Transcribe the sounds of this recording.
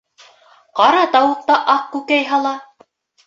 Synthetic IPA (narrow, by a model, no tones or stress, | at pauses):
qɑɾɑt̪ɑwɤ̆q̚t̪ɑʔɑq̚kʉkæjɦɑlˠɑ